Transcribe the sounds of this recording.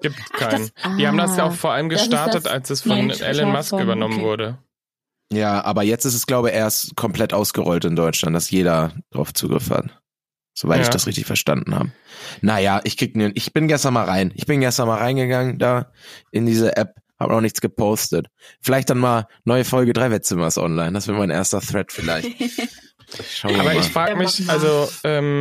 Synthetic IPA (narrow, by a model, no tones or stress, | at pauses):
ɡiːp̚tkʰaɪnd̥iːhaːbm̩dasjaːʊxfoɐʔaləmɡəʃtaɐtəta̰lsɛsfɔnʔɛ̰lənmaskʔyːbɐnɔmənvʊɐɾə | jaːʔa̰ːbɐjɛt͡stɪsɛsɡ̥laʊbəʔeːɐstkʰɔmpl̥ɛtʔaʊsɡ̥əʁɔltɪndɔʏtlantd̥asjeːɾɐd̥aʁa̰ʊft͡suːɡʁɪ̰fha̰t | z̥ovaɪtɪçd̥asʁɪçtɪ̰çfɛɐʃta̰ndn̩ha̰ːbənajaːʔɪçkʁ̥ɪknənʔɪçb̥ɪnɡɛstɐnmaːlʁaɪnʔɪçb̥ɪnɡɛstɐnmaːlʁaɪnɡəɡaŋəndaːʔɪndiːzɐʔɛp̚ha̰ːbə̰nɔχnɪçt͡sɡ̥əpʰoʊstətfɪlaɪçt̚d̥anmaːlnɔʏəfɔlɡədʁaɪvɛt̚t͡sʏmɐsʔɔ̰nlaɪndasv̥ɪːɐmaɪnʔḛɐstɐθʁɛtfɪla̰ɪçt | ʃaʊaɐːbɐɪaːfʁ̥aːɡəmɪçʔalzoʔɛːm